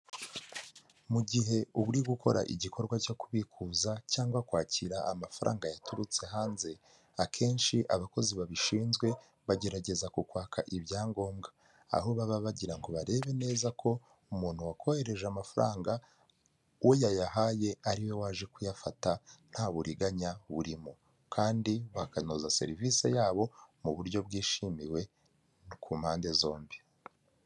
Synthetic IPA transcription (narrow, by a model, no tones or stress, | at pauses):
muɟiɦe̞uβuɾiɡukʰo̞̰ɾa̰ʔḭɟikʰo̞ɾɡwaco̞kuβikʰuːzacaːŋɡwakwaːciɾaamafaɾʔa̰ːŋɡajatuɾut͡se̞ɦaːnze̞ | akʰe̞ːnʃiʔaβako̞ziβaβiʃiːnzɡwe̞ | βaɟe̞ɾaɟe̞zakukwaːkʰaʔiβjaːŋɡo̞ːmɡa | a̰ɦoβaβaβaɟiɾaŋɡo̞βaɾe̞ːβe̞ne̞ːzakʰo̞ | umuːn̥huwakʰo̞he̞ɾe̞ʒamafɾaːŋɡa | wʔojajaɦaje̞aɾiwe̞waːʒe̞kujafatan̥haβuɾiɡaɲaβuɾimo | kʰaːndiβakanozase̞̰ɾivise̞̰jaːβo̞muβuɾɟo̞bɡiːʃimiwe̞ | kuːmhaːnde̞zo̞ːmbi